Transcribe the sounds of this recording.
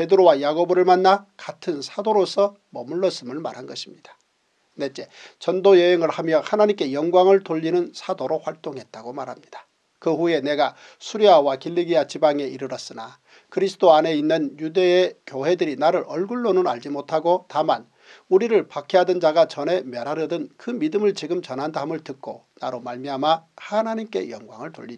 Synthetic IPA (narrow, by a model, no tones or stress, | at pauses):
pe̞dɯɾowajaɡobɯɾɯɭmanːakatʰɯnsʰadoɾosʰʌ | mʌmuɭːʌs͈ɯmɯɭma̰ɾɦanɡʌɕʰimɲid̥ḁ | net͡ɕ͈e̞t͡ɕʌndojʌɦeŋɯɭhamjʌhanaɲimk͈e̞jʌŋɡwaŋɯɭtoʎːinɯnsʰadoɾoɸwaɭt͈oŋɦe̞t̚t͈aɡomaɾɦamɲid̥ḁ | kɯɸue̞ne̞ɡa | sʰuɾiawakiʎːiɡiat͡ɕibaŋe̞iɾɯɾʌs͈ɯna | kɯɾisʰɯ̥t͈oane̞inːɯnjude̞ːkjoɦe̞dɯɾinaɾɯɾʌɭɡɯɭːonɯnaʎd͡ʑimotʰaɡotaman | uɾiɾɯɭpakʰiɦadɯnd͡ʑaɡat͡ɕʌne̞mjʌɾɦaɾjʌdɯnkɯmidɯmɯɭt͡ɕiɡɯmt͡ɕʌnɦandamɯɭtɯk̚k͈o | naɾomaɭmiamahanaɲimk͈e̞̰jʌ̰ŋɡwa̰ŋɯɭto̰ʎːi